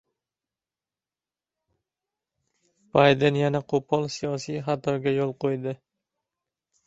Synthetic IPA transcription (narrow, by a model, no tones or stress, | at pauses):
b̥ajd̪enjanaqʰopʰɒlˠsijɒsijχat̪ʰɒɡʲajolˠqʰojd̪ɪ